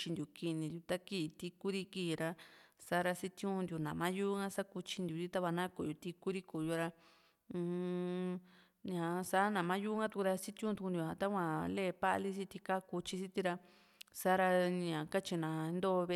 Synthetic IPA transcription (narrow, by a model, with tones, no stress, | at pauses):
t͡ʃi˧d̪ʲu˨ki˧nĩ˧nd̪ʲju˧t̪a˦kiː˧˨˧t̪i˧ku˦ɾi˧˦ki˦˨ɾa˧sa˦ɾa˧si˦t̪jũ˦˧nd̪ju˨˧˨nã˨mã˦ju˦ŋã˦sa˦ku˧t͡ʃi˧nd̪ʲu˧t̪i˦t̪a˦βa˧nã˦ko˧˨u˧t̪i˧ku˦ɾi˦ku˨ju˧ɾã˧ | ɲã˨sa˦nã˨mã˦ju˦ŋɡã˦t̪u˧ku˧ɾa˧si˦t̪ʲjũ˦t̪u˧knd̪ju˧˨hã˧t̪a˦kʷã˧le˦˧˨pa˦ʔli˦s̬i˦t̪i˧ka˦ku˧t͡ʃi˧si˦t̪i˧ɾa˧ | sa˦ɾa˧ɲã˨ka˦t͡ʃi˧nã˨˧˦nd̪o˦˧βe˧